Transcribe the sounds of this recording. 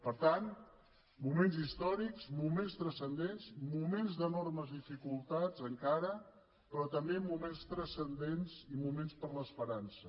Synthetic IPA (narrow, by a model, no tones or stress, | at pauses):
pəɾt̪an | mumenzist̪ɔɾikzmumenst̪ɾəsənd̪enzmumenzðənɔrməzðifikulˠt̪azəŋkaɾə | pɾɔt̪əmbemumenst̪ɾəsənd̪enzimumenspəɾləspəɾansə